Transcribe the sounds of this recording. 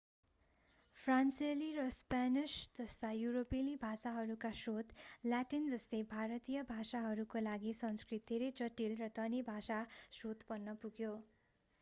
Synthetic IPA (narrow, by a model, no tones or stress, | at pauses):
pʰranseliɾʌspanisd͡zʌst̪ʰajuɾopilibʱasaɦʌɾukasrot̪ljaʈind͡zʌst̪ʌjbʱaɾʌt̪ijʌbʱasaɦʌɾukolaɡisʌnskrit̪d̪ʱeɾʌjt͡sʌʈilrʌd̪ʌnibʱasasrot̪bʌnːʌpuɡjo